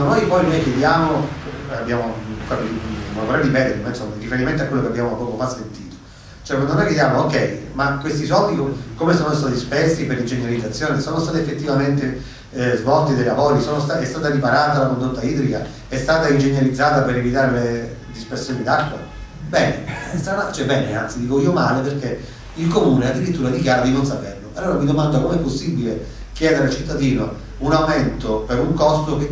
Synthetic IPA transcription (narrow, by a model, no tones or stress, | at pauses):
nd̪onojpɔjnojkjed̪jaːmo | abːjaːmokapimolvoɾɛd̪ipɛːd̪eɾimainsomːarifeɾiment̪oakwelːokeabjaːmopːɔːkofasːent̪iːt̪o̥ | t͡ʃoɔɛkwand̪onojkjed̪jaːmookɛjmakːwest̪isɔblikukomesoːnost̪aːt̪ispersipeɾind͡ʒeɲjalid̪zːat̪sːjoːnesoːnost̪aːt̪efːet̪ːivament̪e | zvɔlt̪id̪ajlavoːɾisoːnost̪aɛst̪aːt̪aɾipaɾaːt̪alakond̪ot̪ːaiːd̪ɾika | ɛst̪aːt̪aind͡ʒeɲːjalid̪zːaːt̪apeɾevit̪aːɾele | d̪ispersːjoːnid̪akːwa̰ | bɛːnest̪anat͡ʃɛbɛːnea̰nt̪sid̪iːkoiːomaːleperke | ilkomuːnead̪ːiɾit̪ːuːɾad̪ikjaːɾad̪inons̬aperloalːoːɾamid̪omand̪akomeɛpːosːibile | k̟jɛːd̪eɾalt͡ʃit̪ːad̪iːno | unawment̪opeɾuŋkɔst̪oke